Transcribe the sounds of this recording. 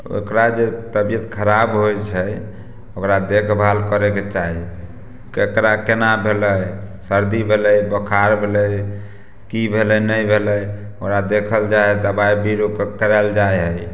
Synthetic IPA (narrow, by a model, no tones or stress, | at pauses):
o̰kɾad͡ʒet̪əbijət̪kʰəɾabɦojt͡ʃʰə | okɾad̪ekʰbʱalkəɾeket͡ʃaɦi | kekɾakenabʱeləjsəɾd̪ibʱeləjbəkʰaɾbʱeləj | kibʱeləjnəjbʱeləj | okɾad̪ekʰəld͡ʒajd̪əbajbiɾokekəɾɛld͡ʒajɦəj